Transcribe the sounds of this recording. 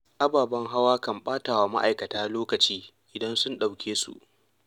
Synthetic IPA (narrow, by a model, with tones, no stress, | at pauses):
ʔa˦baː˨bɐ˦ŋɦa˦waː˦kɐ˨mɓaː˦taː˨waː˨ma̰˦ʔa̰˨jkɐ˨taː˦loː˦kɐ˨t͡ʃiː˦ | ʔɪ˨dɐ˦nsʊ˦nɗa˨wkʲʰeː˦sṵ˨ʔ